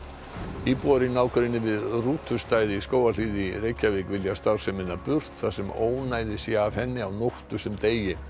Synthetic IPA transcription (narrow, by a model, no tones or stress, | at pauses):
iːpɔɾɪnaːwkʏɾɪnːɪvɪðruːt̪ʰʏst̪aːjðɪiskoːwal̥iːðɪreːjcːavekvɪljast̪aw̥sɛmɪnːapʏr̥t̪θḁsɛmoːwnaːjðɪsjɛav̥hɛnːɪawnowht̪ʏsɛmt̪eːjɪ